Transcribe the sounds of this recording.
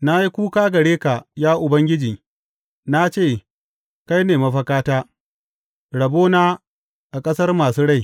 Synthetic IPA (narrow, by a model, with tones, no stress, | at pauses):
na˦ji˦kʷuː˦kaː˦ɡɐ˨ɽeː˦ka˨jaː˦ʔʊ˨bɐ˦ŋɡʲɪ˦d͡ʒiː˨ | na˦t͡ʃeː˦˨ | ka˦jneː˨mɐ˦ɸɐ˦kaː˦taː˦ | ɽɐ˨boː˦naː˦ | ʔa˨kʼɐ˦sɐ˦rmaː˨suː˦ɽa˦˨j